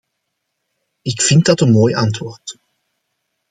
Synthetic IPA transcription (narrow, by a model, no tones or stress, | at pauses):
ɪkfɪnt̚dɑtənmoːjʔɑntʋoːrt